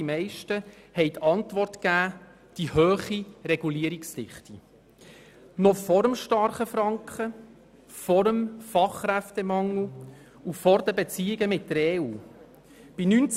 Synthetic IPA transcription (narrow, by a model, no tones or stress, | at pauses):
imɛɪʃtə | hɛɪt̪ʰɑntʋɔrtkæː | d̥ihøːχiɾɛɡ̥uliəɾikstɪχti | nɔfɔɾəmʃtɑrχəfɾɑŋkχə | fɔɾəmfɑχɾæft̪ɛmɑŋl̩ | ufɔɾdəbet͡siːɪɡəmɪtːəɾɛːuː | b̥inynt͡s